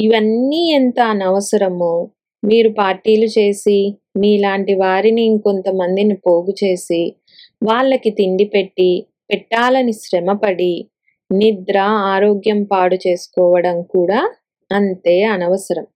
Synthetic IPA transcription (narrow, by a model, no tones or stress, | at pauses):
iʋɐnːiːent̪aɐnɐʋɐsɐɾɐmoː | miːɾupaːɾʈiːlut͡ʃe̞ːsi | miːlaːɳʈiʋaːɾiniko̞nt̪ɐmɐnd̪inipo̞ːɡut͡ʃe̞ːsi | ʋaːɭːɐkit̪iɳɖipeʈːi | pɛʈːaːlɐniʃɾɛmɐpɐɽi | nid̪ɾɐaːɾoːɡjɐmpaːɽut͡ʃe̞ːsu̥kɔːʋɐɽɐmkuːɽaː | ɐnt̪e̞ːɐnɐʋɐsɐɾɐm